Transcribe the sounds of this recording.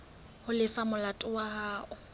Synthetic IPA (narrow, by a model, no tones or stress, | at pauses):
hʊlɪfamʊlatʼʊwahaːʔʊ